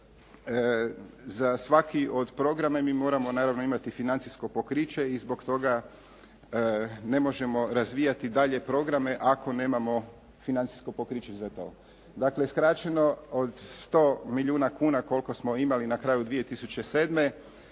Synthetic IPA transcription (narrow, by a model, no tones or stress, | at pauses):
zasʋakio̞d̪pɾo̞ɡɾamamiːmo̞ːɾamo̞naːɾaʋnoimat̪ifinant̪sisko̞po̞kɾit͡ɕe̞izbo̞kt̪o̞ɡa | ne̞mo̞ʒe̞mo̞ɾazʋiːjat̪id̪aʎe̞pɾo̞ɡɾame̞ʔakʰo̞ne̞ːmamo̞ | finant̪si̥skopokɾit͡ɕezat̪o̰ː | d̪akleskɾat͡ɕe̞no̞od̪st̪o̞ːmiʎuːnakuːnako̞lˠko̞smo̞imalinakɾaːjud̪ʋije̞t̪isut͡ɕe̞se̞ːd̪me̞